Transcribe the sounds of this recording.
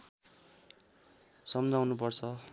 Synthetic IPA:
sʌmd͡zawnupʌrt͡sʰʌ

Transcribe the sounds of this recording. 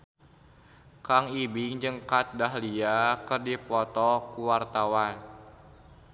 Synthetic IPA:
kaŋibɪŋd͡ʒɨŋkat̪̚daɦliakərdipɔt̪ɔkuwart̪awan

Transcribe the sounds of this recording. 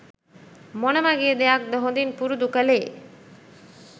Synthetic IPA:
monəmaɡeːd̪ejak̚d̪əɦond̪inpuɾud̪ukəleː

